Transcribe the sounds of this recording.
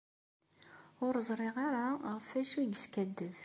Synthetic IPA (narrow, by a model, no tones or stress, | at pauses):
ʊɾzˤɾˤɪʁaɾaʁəfæʃwiɡəskæd̪ːəv